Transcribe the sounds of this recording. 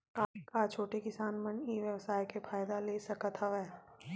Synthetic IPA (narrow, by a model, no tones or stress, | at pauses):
kakat͡ʃʰoːʈekɪsaːnməniʋjɐʋsaːjkefʰaːjd̪aleːsɐkət̪ʰəʋɛː